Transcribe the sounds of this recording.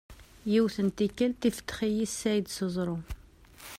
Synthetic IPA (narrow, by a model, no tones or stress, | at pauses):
jiwθənt̪ikːəlt̪ifə̥t̪ːχijisːæjd̪səzˤɾˤu